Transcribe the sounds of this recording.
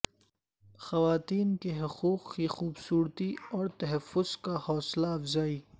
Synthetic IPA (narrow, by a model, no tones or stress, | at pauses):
xɐwaːt̪iːnkeɦʊquːqkixuːbsuːɾt̪iɔːɾt̪ɐɦɐfːʊz̥kahɔːslaɐfzaːiː